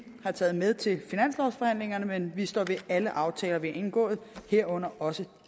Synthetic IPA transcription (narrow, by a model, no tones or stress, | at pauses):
hɑ̈t͡sʰɛ̰ːð̞̩ˠmeð̞ˠt͡sʰe̝lfinæn̰slɒʊsfɒ̽hæn̰le̝ŋɐnəmenʋisd̥ɒ̰ːʋe̝æləʔɑ̈ʊt͡sʰɛ̰ːlɐʋiɑe̝nɡ̥ɔ̰̽ːð̩ˠheɐ̰ɔ̽n̰ɐɒ̽sə